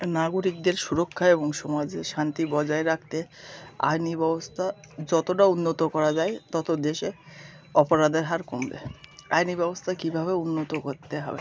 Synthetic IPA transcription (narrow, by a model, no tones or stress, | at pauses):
naɡoɾik̚d̪eɾʃuɾokʰːaeboŋʃɔmad͡ʑeʃant̪ibɔd͡ʑaeɾak̚ʰt̪ea̰jnibɛbost̪ʰa | d͡ʑɔt̪oʈaunːot̪okɔɾad͡ʑaet̪ɔt̪od̪eʃe | ɔpoɾad̪eɾɦaɾkombḛa̰jnibɛbost̪ʰakibʱaβeunːot̪okoɾt̪eɦɔ̰bḛ